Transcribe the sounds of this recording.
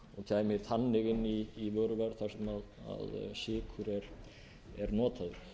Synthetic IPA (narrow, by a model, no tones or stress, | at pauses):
ɔɣt̪ʰaːjmɪ̥θʰanːɪɣɪnːiːvœɾvaɾθḁsɛmaða̰ðsɪːkʰʏɾɛɾ̥ | ɛɾnɔːt̪ʰaðʏɾ̥